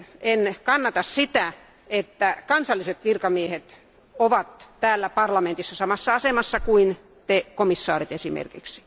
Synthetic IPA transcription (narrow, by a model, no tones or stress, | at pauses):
enkɑnːɑt̪ɑssit̪æ | et̪ːækɑnsɑlːiset̪kirkɑmiehet̪ | oʋɑt̪t̪æːlːæpɑrlɑment̪isːɑsɑmɑsːɑɑsemɑsːɑkuin | t̪ekomisːɑːrit̪esimḛrkḭksi̥